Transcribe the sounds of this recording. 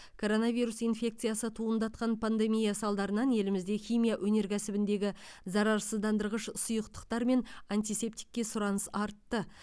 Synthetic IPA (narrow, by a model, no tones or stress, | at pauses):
kʰo̞ɾo̞nɑviɾusijnfʲe̞k̚t̪sɨjasət̪ʰuənd̪ɑt̪̚qɑnpʰand̪e̞mijasɑlˠd̪ɑɾənɑnje̞lɪmɪzd̪e̞xʲijmʲijaʔɵne̞ɾkʲʰæsɪbɪnd̪e̞ɡʲɪ | zɑɾɑɾsəzd̪ɑnd̪əɾʁəʃsʊjəqt̪ə̥qt̪ɑɾme̞nanʲt̪ijse̞p̚t̪i̥kʲːe̞sʊɾɑnəsɑɾt̪ːə